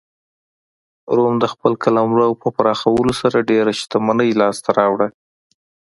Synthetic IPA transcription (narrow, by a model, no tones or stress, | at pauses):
ɾomd̪əxpəlkalamlawpəpaɾɑxawəlosaɾaɖeɾaʃi̥t̪amanəjlɑst̪aɾɑwɽa